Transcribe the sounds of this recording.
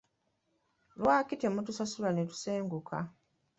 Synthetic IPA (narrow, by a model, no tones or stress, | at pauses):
lwaːkitemutusasulanetu̥seːŋɡukʰa̰